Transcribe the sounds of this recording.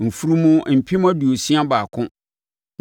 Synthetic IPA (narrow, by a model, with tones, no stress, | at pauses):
m̩˨fu˦ɾu˦mũ˦m̩˨pʰɪ˦m˦a˦du˨o˨sĩ˦a˦baː˨kʰʊ̃˦